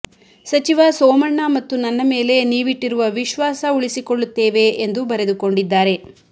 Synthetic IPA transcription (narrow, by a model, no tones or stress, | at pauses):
sɐt͡ʃiʋɐsɔːmɐɳːɐmɐt̪ːunɐnːɐme̞ːle̞niːʋiʈːiɾuʋɐʋiʃʋaːsɐuɭisiko̞ɭːut̪ːeːʋe̞ːnd̪ubɐɾe̞d̪uko̞ɳɖid̪ːaːɾe̞